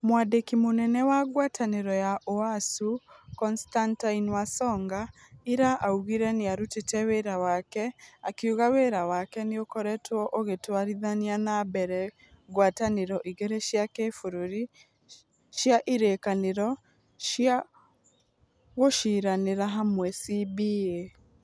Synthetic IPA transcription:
mwadekimonɛnɛwaɣwatʰaneɾɔjaʔoasukɔnstantainwasɔŋɡa | iɾaʔauɣiɾɛneaɾutetɛweɾawakɛakeuɣaweɾawakɛneokɔɾɛtwɔʔoɣetwaɾiðanianabɛɾɛ | ɣwataneɾɔʔiɣɛɾɛʃjakefoɾoɾi | ʃjaʔiɾekaneɾɔ | ʃja | ɣoʃiːɾaneɾaɦamwɛsibie

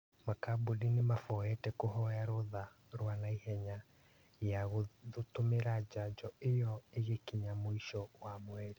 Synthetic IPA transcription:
makabudinimafɔɛtɛkoɦɔjaɾoða | ɾwanaihɛɲa | jaɣoðotomeɾad͡ʒad͡ʒɔejɔeɣekiɲamoiʃɔwamwɛɾi

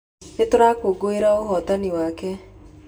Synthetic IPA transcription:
etoɾakoɡoeɾaoɦɔtaniwaːkɛ

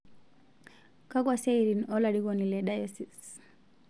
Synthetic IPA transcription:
kakwasejɾinɔlaɽiɡɔnilɛɗajɛsis

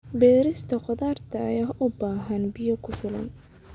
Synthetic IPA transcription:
bɛːɾɪst̪ʰɐqɔðaːrt̪ʰɐːjaːʔʊbaːɦɐnbɪjɔkʰʊfɪlɐ̰n

